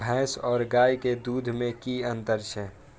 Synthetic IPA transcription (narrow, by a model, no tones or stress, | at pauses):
bʱɛ̃ːsɔːɾɡaːjked̪uːd̪ʱmẽkiə̃nt̪əɾt͡ʃʰɛ